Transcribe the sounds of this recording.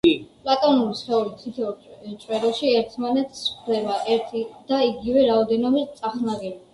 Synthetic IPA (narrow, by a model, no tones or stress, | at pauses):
pʼlˠat̪ʼɔnulisχɛulit̪ʰit̪ʰɛt͡ʃʼwɛɾɔʃiɛɾt̪ʰmanɛt̪sχd̪ɛbaʔɛɾt̪ʰid̪̥aiɡivɛɾaɔd̪ɛnɔbist̪sʼaχnaʁɛli